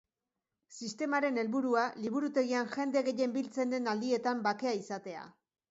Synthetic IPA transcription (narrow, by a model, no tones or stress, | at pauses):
sist̪e̞maɾe̞ne̞lβuɾualiβ̞uɾut̪e̞ɣ̞ianʝe̞nd̪e̞ɣe̞je̞mbilt͡se̞nd̪e̞nald̪ie̞t̪ambake̞aisat̪e̞a̰